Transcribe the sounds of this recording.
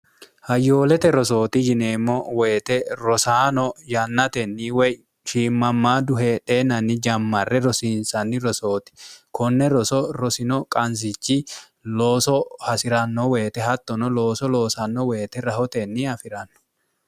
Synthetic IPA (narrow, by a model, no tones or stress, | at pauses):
hɐjːo̞ːlɛt̪ɛɾɔso̞ːt̪ɪd͡ʒɪne̞ːmːɔweːt̪ɛɾɔsaːnɔjɐnːɐt̪ɛnːiwɛj | ʃiːmːɐmːaːd̪ʊɦeᶑeːnɐnːɪd͡ʒɐmːɐrːɛɾɔsiːnsɐnːɪɾɔso̞ːt̪ɪ̥kɔnːɛɾɔsɔɾɔsɪnɔkʼɐns̬ɪt͡ʃːɪ | loːsɔhɐsɪɾɐnːɔwe̞ːt̪ɛhɐt̪ːɔnɔloːsɔlo̞ːsɐnːɔweːt̪ɛɾɐhɔt̪ɛnːɪɐfɪɾɐnːɔ̥